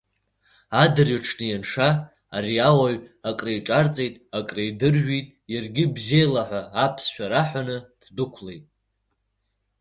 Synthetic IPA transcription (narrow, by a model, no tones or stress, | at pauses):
adɨrjaʈ͡ʂʰnɨjanʂaː | riawaɥakʼrejʈ͡ʂʼart͡sʼe̞jtʼakʼrejdɨrʒitʼjarɡʲɪbzejlaħʷaːpʰsʃᶣaɾaħʷanɨd̥dʊkʷʰle̞jtʼ